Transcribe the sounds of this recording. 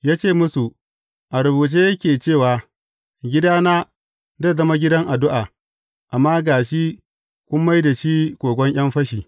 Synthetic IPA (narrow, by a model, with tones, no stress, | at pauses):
jaː˦t͡ʃeː˦˨mʊ˦su˨ | ʔa˨ɾʊ˨buː˨t͡ʃeː˦jɐ˦kʲeː˨t͡ʃeː˦˨waː˨ | ɡʲɪ˦daː˦naː˦ | da˦˨zɐ˦ma˦ɡʲɪ˦dɐ˦ŋʔa˨dʊ˦ʔa˨ | ʔa˨mːaː˦ɡaː˨ʃi˦ | kʷʊ˦mːa˦jda˨ʃi˦kʷoː˨ɡʷɔ˦ɲʔj̰ɐ˦mɸɐ˦ʃiː˨